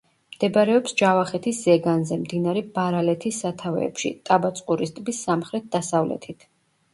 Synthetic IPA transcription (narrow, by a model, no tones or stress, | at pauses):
md̪̥ɛbɾɛɔpsd͡ʒavaχɛt̪ʰiszɛɡanzɛmd̪inaɾɛbaɾalɛt̪ʰisːat̪ʰavɛ̰ːpʃḭt̪ʼabat̪sʼqʼuɾist̪ʼbisːamχɾɛt̪̚d̪asavlɛ̰t̪ʰit̪ʰ